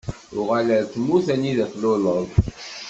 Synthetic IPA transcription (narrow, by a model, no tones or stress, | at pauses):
ʊʁaləθmuθæniðæθloləðˤ